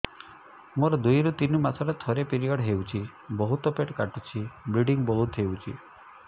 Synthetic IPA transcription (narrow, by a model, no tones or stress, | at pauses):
moɾɔd̪ujɾut̪inɔmat̪ʰɔɾet̪ʰɔɾepiɾijɔɽɦewt͡ʃʰi | bɔɦut̪ɔpeʈkaʈut͡ʃʰibɾiɖiŋbɔlut̪ʰɦewt͡ʃʰḭ